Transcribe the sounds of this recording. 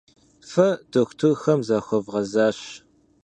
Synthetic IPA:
fɐdoxʷtʰurxɐmzaxʷɔvʁɐzaːɕ

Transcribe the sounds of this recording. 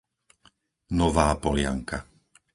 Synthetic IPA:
nɔʋaːpɔlɪa̰ŋka

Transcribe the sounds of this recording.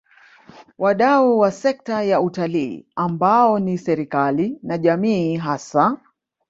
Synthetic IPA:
wʔaɗauwasɛk̚tajautalḭːambaɔnisɛɾikalinaʄamiːɦasa

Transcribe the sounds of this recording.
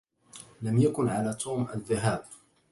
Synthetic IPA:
lamjakʊnʕalaːt̪ʰuːmaðːaɦaːb̚

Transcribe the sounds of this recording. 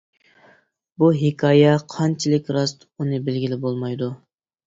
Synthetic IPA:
buɦɪkʲʰɑːjɛqʰɑnt͡ʃʰilɪkʲɾɑst̪unɨbɪlɡʲilɪbolˠmɑjd̪u

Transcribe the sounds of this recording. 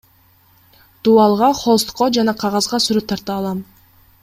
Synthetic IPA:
d̪̥uɑlˠʁɑχolˠst̪qːod͡ʒɑnɑqʰɑʁɑzʁɑsyɾyp̚t̪ʰɑɾt̪ɑːlˠɑm

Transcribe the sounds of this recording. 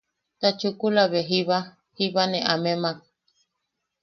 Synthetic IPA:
t̪at͡ʃukulaβeɦiβa | hiβaneʔamemak

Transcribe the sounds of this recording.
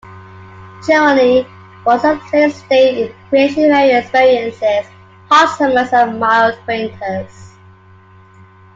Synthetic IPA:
ʒ̥ɜməni | wɔzət͡ʃəsteɪ̃nkʰɹ̥ieɪʃnivɛɹiɛksvɪɹiə̃nsɪz̥ | hʰɑsə̃məsəvmaɪlˠdpʰẽɪ̃ntʰəz̥

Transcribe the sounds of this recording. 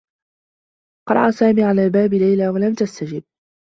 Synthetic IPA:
qɑ̰ɾˤɑ̰ʔasaːmiːʕalaːbaːbɪlajlaːwalamt̪ast̪ad͡ʒɪb̚

